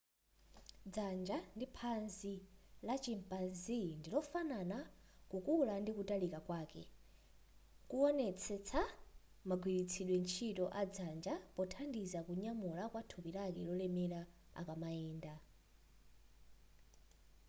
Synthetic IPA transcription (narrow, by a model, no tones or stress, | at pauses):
d͡zand͡ʒandipʰanzilat͡ʃimpanzindilɔfanana | kukulandikutalikakwaːkɛ̰ | kuɔnɛt͡sʰɛt͡sʰa | maɡwiɾit͡sʰiɗwɛnt͡ʃʰitɔʔad͡zand͡ʒapɔtʰandizakuɲamulakwatʰupilakɛlɔlɛmɛɾa | a̰kamaɛːnda